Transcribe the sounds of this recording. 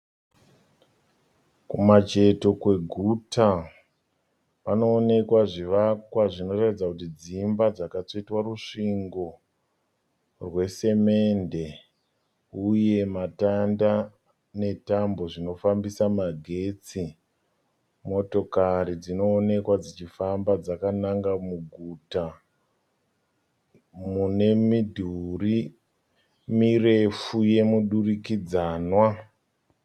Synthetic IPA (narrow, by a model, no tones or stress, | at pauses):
kumat͡ʃe̞to̞kwe̞ɡʱuta | pano̞ːne̞kwaʐiʋakwaʐino̞ratid͡zakutid͡zimbad͡zakat͡so̞itwaruʂiŋɡo̞ | rwe̞se̞me̞nde̞ | uje̞matanda | ne̞tambo̞ʐino̞fambisamaɡʱe̞t͡si | mo̞to̞karid͡zino̞ːne̞kwad͡zit͡ʃifambad͡zakanaŋɡamuɡʱuta | mune̞midʱuri | mire̞fuje̞muɗurikid͡zaːnwa